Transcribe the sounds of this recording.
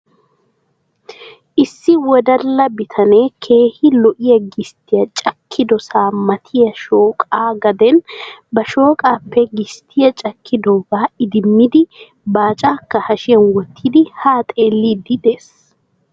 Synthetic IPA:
ʔɪsːɪwɔd̪ɐlːɐbɪt̪ʰɐneːkʰe̞ːhɪlɔʔɪjɐɡɪst̪ɪjɐt͡ʃʼɐkʰːɪd̪ɔsaːmɐt̪ʰɪjɐʃoːkʼaːɡɐd̪ɛnbɐʃo̞ːkʼaːpːɛɡɪst̪ʰɪjɐt͡ʃʼɐkːɪd̪oːbaːɪd̪ɪmːɪd̪ɪ | baːt͡ʃʼaːkːɐhɐʃɪjɐnwɔt̪ːiːd̪ɪhaːt̪ʼe̞ːlːiːd̪ɪd̪eːs

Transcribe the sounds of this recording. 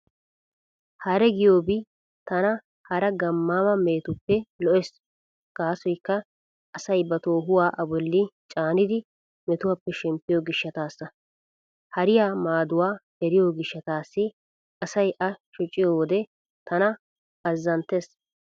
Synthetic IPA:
hɐɾɛɡɪjoːbɪ | t̪ɐnɐ | hɐɾɐɡɐmːaːmɐme̞ːt̪ʊpːɛlɔʔɛs | ɡ̥aːsɔjkːɐ | ʔːsɐjbɐt̪o̞ːɦʊwaːʔɐbɔlːɪt͡ʃʼaːnɪd̪ɪ | mɛt̪ʊwɐpːɛʃɪmpːɪjoɡɪʃːɐt̪aːsːɐ | hɐɾɪjaːmaːd̪ʊwaː | ɛɾɪjoːɡɪʃːɐt̪aːsːɪ | ɐsɐjʔɐʃʊt͡ʃʼːɪjod̪ɛ | t̪ɐnɐ | ɐzːɐnt̪ːeːs

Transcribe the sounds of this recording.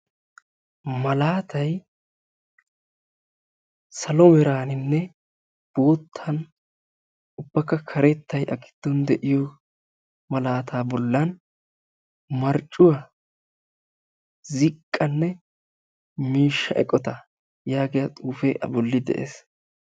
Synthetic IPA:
mɐlaːt̪ɐj | sɐlɔmɛɾaːnɪnːɛ | b̥o̞ːt̪ʰːɐn | ʊb̥ːɐkːɐkʰɐɾɛt̪ːɐjʔɐɡɪ̥d̪̥ːɔnd̪ɛʔɪjɔ | mɐlaːt̪ʰaːbɔlːɐn | mɐɾt͡ʃʼːʊwɐ | zɪkʼːɐnːɛ | miːʃːɐʔɛkʼːɔt̪ɐ | jaːɡɪjɐt̪ʼuːfeːʔɐ̰bɔlːɪd̪ɛ̰ʔḛːs

